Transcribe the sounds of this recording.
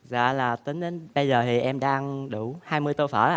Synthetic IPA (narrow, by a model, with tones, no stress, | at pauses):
za̰ː˧˩laː˨˩t̪ï˨˦ŋ̟˧nɓə˧jzəː˨˩t̪ʰi˨˩ʔɛ˧mɗaː˧ŋɗu˧˩haː˧jmɨ˧əjt̪o˧jfəː˧˩a˧˨